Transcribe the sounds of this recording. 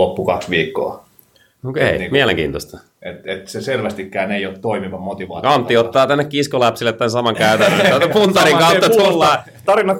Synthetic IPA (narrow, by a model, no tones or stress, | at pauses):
opːukɑksʋiːkːo̰ː | okḛimiælḛŋkḭːnt̪ost̪ɑ̥ | et̪et̪seselʋæst̪ikːæːneijot̪t̪oimiʋɑmot̪iʋɑ̰ːt̪kɑnt̪ːiot̪ːɑːt̪ænːekkiskolæpsilːˑet̪t̪ːænsɑmɑŋkæyt̪ænːøæpunt̪ɑriŋkɑuːɑt̪ulːɑː | t̪ɑrinɑt̪